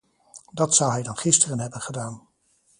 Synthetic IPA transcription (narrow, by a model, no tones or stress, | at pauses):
dɑtsʌwɦɛjdɑnχɪstərənɦɛbənχədaːn